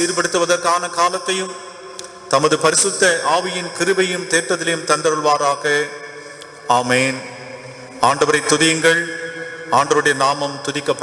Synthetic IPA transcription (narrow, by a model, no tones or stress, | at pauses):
iːɾpɐɽɯt̪ːɯʋɐðɐɾkaːnɐkaːlɐt̪ːɐjɯm | t̪ɐmɐðɯpɐɾɪsɯt̪ːɐʔaːʋɪjɪnkɪɾɯbɐjɯmt̪eːɾʈ̪ɾɐðɪlɐjɯmt̪ɐnɖ̪ɐɾɯɭʋaːɾaːɣɐ | aːmeːn | aːɳɖɐʋɐɾɐɪt̪ːʊðɪjɯŋɡɐɭ | aːɳɖɐʋɯɽɐjɐnaːmɐmt̪ʊðɪkːɐpːɐ